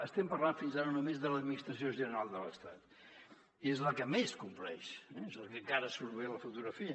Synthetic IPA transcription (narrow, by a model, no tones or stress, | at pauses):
əst̪ɛmpɐɾlanfinzaɾənumezðələd̪minist̪ɾəsioʒənəɾalˠd̪ələ̰st̪at̪ | iezləkəmeskumplɛ̰ʃɛezlˠkəŋkaɾəsuɾβeləfut̪uɣɾəfiə